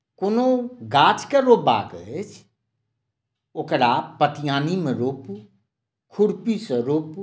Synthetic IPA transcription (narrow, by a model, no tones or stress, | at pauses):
konoɡaːt͡ʃkeɾoːba̰ːɡəet͡ʃʰ | okɽaːpət̪ijaːnimeɾoːpu | kʰuɽpisəɾoːpu